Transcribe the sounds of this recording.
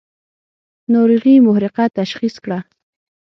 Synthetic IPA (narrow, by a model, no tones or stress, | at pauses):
noɾɪɢimʊhɾɪqɑt̪aʃχɪskɽa